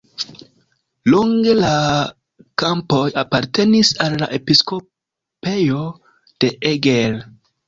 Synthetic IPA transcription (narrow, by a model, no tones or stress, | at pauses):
luŋɡe̞la | kampo̞japaɾte̞nisalːa̰ʔe̞pisko̞ | pe̞jo̞ | d̥e̞eɡel